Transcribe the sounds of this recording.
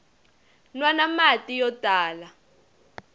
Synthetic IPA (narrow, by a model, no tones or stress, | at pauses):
nwanamatʼijɔtʼaːla